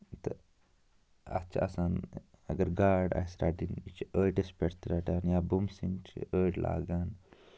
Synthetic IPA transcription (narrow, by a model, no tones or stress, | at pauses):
t̪ɐ̰ | ɐ̰t͡ʃʰa̰ɐsaːn | ɐɡɐɾɡaːɖa̰jsɾaːʈinit͡ʃʰiəːʈespeɽt̪ɾaʈaːnjabumsiŋt͡ʃʰḭəːʈlʔa̰ːɡaːn